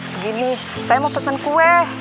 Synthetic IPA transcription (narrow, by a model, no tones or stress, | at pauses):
ɡini | sajamopəsənkuɛ